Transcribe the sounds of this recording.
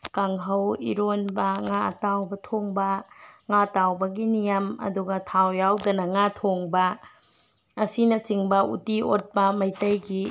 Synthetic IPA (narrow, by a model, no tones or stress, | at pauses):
kaŋɦɐwḭɾonbɐŋaɐ̰tawbɐtʰoŋbɐŋatawbɐɡinijamɐ̰duɡɐtʰawjawdɐnɐŋatʰoŋbɐ | sinɐt͡ʃiŋbɐʔutiot̚pɐmɐjtɐjɡi